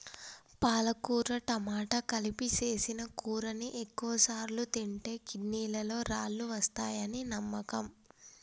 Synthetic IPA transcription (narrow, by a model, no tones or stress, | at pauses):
paːlɐkuːɾɐʈɐmaːʈɐkɐlipit͡ʃe̞ːsinɐkuːɾɐniʔekːuʋɐsaːɾlut̪iɳʈe̞ːkinːiːlɐlo̞ːɾaːɭːuʋɐst̪aːjɐninɐmːɐkɐm